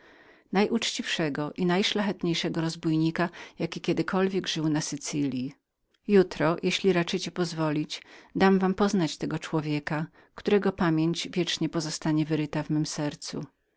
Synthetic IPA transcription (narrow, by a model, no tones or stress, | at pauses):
najʔut͡ʂt͡ɕifʂɛɡɔʔinajʂlaxɛt̪ɲejʂɛɡɔɾɔzbujɲikajakʲikʲɛd̪ɘkʰɔlvʲjɛɡʐɘwnasɘt̪sɘlʲji | jut̪ɾɔjʔeɕlʲiɾat͡ʂɘt͡ɕɛpɔzvɔlʲid͡ʑd̪amvampɔznat͡ɕt̪ɛɡɔt͡ʂwɔvʲjɛka | kt̪uɾɛɡɔpamʲjeɲd͡ʑvʲjɛt͡ʂɲɛpɔzɔst̪aɲɛvɘɾɘt̪avmɘmsɛɾt̪sṵ